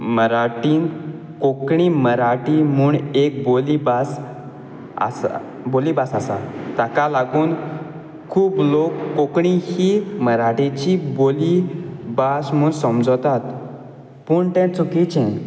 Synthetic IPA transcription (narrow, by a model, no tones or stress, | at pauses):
məɾaʈiːn | kokɳiməɾaʈimuːɳek̚bolibas | a̰s | bolibasasa̰t̪akalaɡuːn | kʰuːblokːokɳihiːməɾaʈẽt͡ɕibolibasmuːɳsəmd͡zt̪at̪ | puːɳt̪ɛ̃t͡sukit͡ɕʰɛ̃